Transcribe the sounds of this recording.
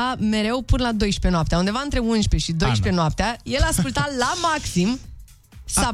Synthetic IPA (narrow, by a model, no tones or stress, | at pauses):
ame̞ɾe̞wpɨnəlad̪o̞jʃpe̞noapt̪eaund̪e̞vaɨnt̪ɾeunʃpe̞ʃid̪o̞jʃpe̞noap̚t̪eaje̞laːskult̪alamaksim | sa